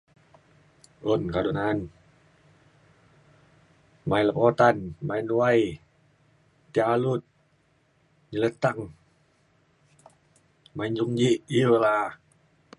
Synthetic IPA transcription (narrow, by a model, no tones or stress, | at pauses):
onkadunan | majləpot̪anmajnuaj | t̪ːialut̪̚ | ɲələt̪aŋ | maiɲd͡ʒuŋd͡ʒiʔila